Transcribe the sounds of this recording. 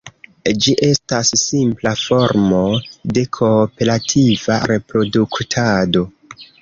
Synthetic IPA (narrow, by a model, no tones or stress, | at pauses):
d͡ʒiʔe̞stasːimplafo̞ɾmo̞de̞kʰo̞pe̞ɾatʰiva̰ɾe̞pɾo̞duktʰado̞